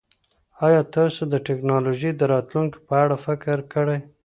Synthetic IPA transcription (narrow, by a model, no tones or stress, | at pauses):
ɑjɑt̪ɑsod̪əʈɪknɑloʒid̪əɾɑt̪luŋki̥pəaɽafɪkɾkəɽaj